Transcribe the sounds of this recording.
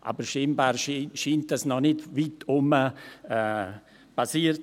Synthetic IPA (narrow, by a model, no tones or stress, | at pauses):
ʔa̰ːbəɾʃimbaːɾʃiʃiːntasnɔnɪtʋitʊməɛ | pasiːərt